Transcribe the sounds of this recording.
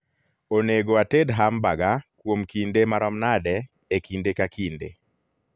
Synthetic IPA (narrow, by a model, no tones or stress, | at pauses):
oneɡoatedɦambaɡakwomkindemaɾɔmnadɛ | ekindekakindḛ